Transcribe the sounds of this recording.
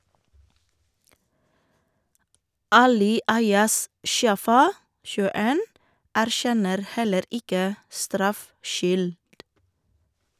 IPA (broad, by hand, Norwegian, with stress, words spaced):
ˈɑːlɪ ˈɑɪɑs ˈʃjɑːfɑ ʃʉːəˈeːn æɾˈʃɛnəɾ ˈhɛləɾ ˈɪkə ˈstɾɑfˌʃʏld